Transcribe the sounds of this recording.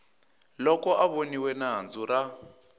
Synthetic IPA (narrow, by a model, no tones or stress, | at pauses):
lɔkɔʔaβoniwɛnaɦand͡zura